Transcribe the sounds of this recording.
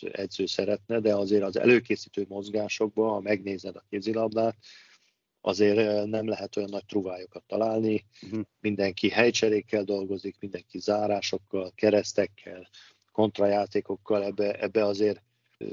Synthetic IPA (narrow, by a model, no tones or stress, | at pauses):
ɛd̪zøːsɛɾɛt̪nɛd̪ɛɒzeːɾɒzɛ̰løːkeːsiːt̪øːmo̞zɡaːʃo̞ɡ̚bɒɒmɛɡneːzɛd̪ɒkeːbzilɒbd̪aːt̪ | ʔɒ̰zeːrnɛmlɛɦɛt̪o̞jɒnːɒc̚p̪ruːvaːjokɒt̪ːɒlaːlnimind̪ɛŋkiɦɛjt͡ʃɛɾeːkːɛld̪o̞lɡo̞zikmind̪ɛŋkizaːɾaːʃo̞kːɒlkɛɾɛst̪ɛkʰːɛl | ko̞nt̪rɒjaːt̪eːko̞kːɒlɛbːɛʔɛbːɛɒzeːr